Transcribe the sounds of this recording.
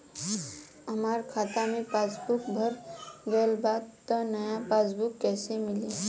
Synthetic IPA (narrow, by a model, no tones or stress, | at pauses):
ɐmaːɾkʰaːt̪amẽpaːsbʊkbʱəɾɡəlbaːɡ̚t̪ənɐjapaːsbʊkːɛːsemɪli